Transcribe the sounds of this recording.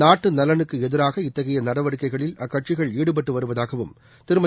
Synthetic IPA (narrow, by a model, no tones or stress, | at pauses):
aːʈːɯnɐlɐnɯkːɯɛðɪɾaːɣɐɪt̪ːɐɣɐjɐnɐɽɐʋɐɽɯkːɐɪɣɐɭɪlɐkːɐʈ̚t͡ʃɪɣɐɭiːɽɯp̬ɐʈːɯʋɐɾɯʋɐðaːɣɐʋɯ̰m | t̪ɪɾɯmɐ